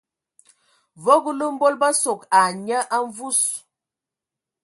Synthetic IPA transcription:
vo˦ɡə˦lə˦m̩˦bo˦lbə˦so˨ka˨ɲə˦ʔa˦ɱvu˦s

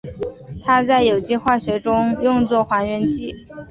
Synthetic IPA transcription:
t̪ʰa˥t͡sa˥˩ɪjo˨˩ʊt͡ɕi˥˧xwa˥˩ɕɥɛ˧˥ʈ͡ʂʊ˥ŋjʊ˥˧ŋt͡swɔ˥˩xwa˧˥nɥɛ˧˥nt͡ɕi˥˩

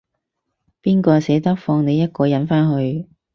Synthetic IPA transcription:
piː˥nkɔː˧sɛː˨˥t̪ɐ˥k̚fɔː˧ŋne˨˧jɐ˥t̚kɔː˧jɐ˨˥nfaː˥nɦɵ˧ɥ

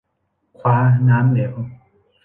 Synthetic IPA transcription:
kʰwaː˧˥naː˦˥mle˨˩˦w

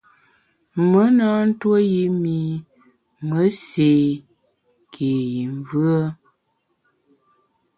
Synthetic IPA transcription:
mə˨˦na˦n̩˦two˦ji˦mi˨ | mə˦se˨ | kʰe˨ji˨ɱ˨vɰə˦

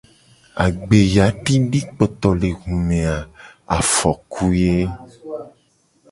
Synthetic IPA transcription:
a˨ɡ͡be˨ja˨˦ti˦ɖi˦k͡pɔ˨t̪ɔ˨le˨ɣũ˨mẽ˨a˨a̰˨fɔ˨ku˦je˦

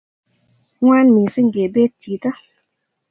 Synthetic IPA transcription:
ŋwa˦nmi˨sə˦ŋ˨ɡe˨be˦tiː˨t̪a˦

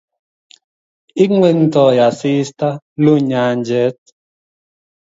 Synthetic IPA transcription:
i˦ŋwe˦n̩˦tɔ˨ja˨si˦sta˦ | lu˦ɲa˨˦nd͡ʒɛ˦t̚

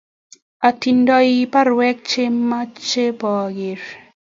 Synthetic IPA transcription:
a˨ti˨ndɔ˦ipa˦ɾwɛ˦k̚t͡ʃe˦mːa˦t͡ʃe˦pɔ˨ɡɪ˨ɾ

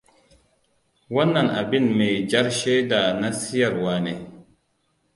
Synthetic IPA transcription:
wa˦nːa˨na̰˨bi˦˨nme˨d͡ʒa˦ɾʃe˦da˨na˦si˦ja˨ɾwa˨ne˨

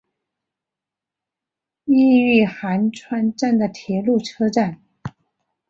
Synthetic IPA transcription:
i˥˧y˥˩xa˧˥nʈ͡ʂʰwa˥nʈ͡ʂa˥˩nd̪ə˩t̪ʰjɛ˧˥lu˥˩ʈ͡ʂʰɤ˥ʈ͡ʂa˥˩n

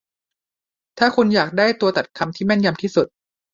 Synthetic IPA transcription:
t̪ʰaː˥˩kʰu˧njaː˨˩k̚daː˥˩jt̪u˧ɐt̪a˨˩t̪̚kʰa˧mt̪ʰiː˥˩mɛ˥˩nja˧mt̪ʰiː˥˩su˨˩t̪̚

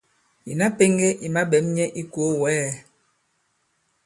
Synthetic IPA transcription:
ḭ˨na˦pe˦ŋɡe˦ʔi˨ma˦ɓɛ˨˦mɲɛ˦ʔi˦ko˨˦wɛː˦

